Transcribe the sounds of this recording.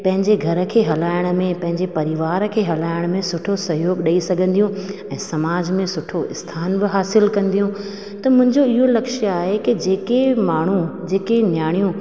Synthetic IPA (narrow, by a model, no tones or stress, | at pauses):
pɐ̃ɦɪ̃ɲd͡ʑeɡʱɐɾə̆kʰeːɦɐlaːɪɽ̃̆mẽpɐ̃ɦɪ̃ɲd͡ʑepɐɾɪʋaːɾkʰeːɦɐlaːɪɽ̃̆mẽsʊʈʰosɐɦjoːɡɗɐisɐɡʱə̃nd̪ijũɛ̃ːsɐmaːd͡ʑmẽsʊʈʰoɪ̰st̪ʰaːnbɪɦaːsɪlkɐ̃nd̪ijũ | t̪ɐmʊ̃ɦɪ̃ɲd͡ʑoɪɦolɐkʃaːɦekɪd͡ʑeːkemaːɳ̤ũd͡ʑeːkenjaːɽ̃ijũ